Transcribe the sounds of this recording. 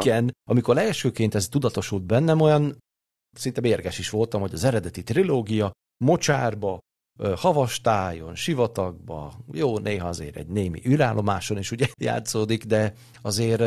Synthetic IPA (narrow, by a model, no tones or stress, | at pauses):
ɛnɒmiko̞ɾɛlʃøːkeːnt̪ɛzt̪ud̪ɒt̪o̞ʃuld̪̚bɛnːɛmojɒn | sint̪ɛmeːrɡɛʃiʃʋo̞lt̪ɒmho̞ɟɒzɛɾɛd̪ɛt̪it̪riloːɡijɒ | mo̞t͡ʃaːrbɒ | hɒvɒʃt̪aːjo̞nʃivɒt̪ɒɡ̚bɒ̰joːnʔeːɦɒɒzḛːɾɛ̰ɟneːmḭʔylaːlʔo̞maːʃo̞neːʃuɟɛja̰ːt̪soːd̪ikd̪ɛ | ɒzeːr